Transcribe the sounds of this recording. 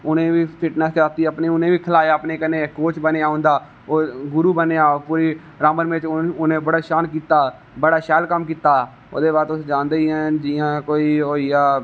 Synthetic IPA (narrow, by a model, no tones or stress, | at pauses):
ʊnẽːʋiːpʰɪʈnɛːskɾaːt̪iːəpnẽːʊnẽːʋiːkʰəlaːjaːəpneːkənẽːkoːt͡ʃbəneaːõːnd̪aː | oːɡʊɾuːbəneːaːpuːɾiː | ɾaːmənmẽt͡ʃʊnẽːbəɽaːʃaːnk̬iːt̪aː | bəɽaːʃɛːlkəmk̬iːt̪aː | oːd̪eːbaːɾt̪ʊsd͡ʒãːnd̪eiːɦɛ̃ːd͡ʒɪːãːkoːiːɦoːiaː